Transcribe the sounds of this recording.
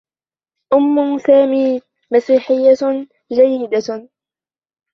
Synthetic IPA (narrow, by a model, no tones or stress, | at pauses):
ʔʊmːʊsaːmiː | masiːħɪjːa | d͡ʒajːɪd̪a